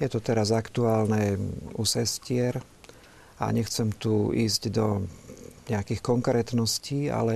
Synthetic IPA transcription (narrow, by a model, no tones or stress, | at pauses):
jɛt̪ɔt̪ɛɾazakt̪uaːlnɛusɛscɪɛɾ | a̰ɲɛxt͡sɛmt̪uiːzɟd̪ɔ | ɲɛakiːxkɔŋkɾɛːt̪nɔsciːa̰lɛ